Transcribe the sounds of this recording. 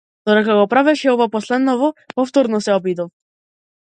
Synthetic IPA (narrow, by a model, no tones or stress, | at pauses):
d̪̥ɔd̪ɛkaɡɔpɾavɛʃɛɔvapɔslɛd̪nɔvɔpɔft̪ɔɾnɔsɛɔbid̪ɔf